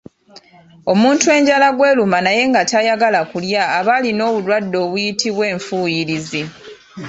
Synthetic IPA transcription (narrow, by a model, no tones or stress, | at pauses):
o̞muːntue̞ːɲɟalaɡwe̞ːlumanaje̞ŋɡatajaɡalakuljaːβalino̞ːβulwadːo̞ːβujitʰiβwe̞ːɱfuːjiɾizi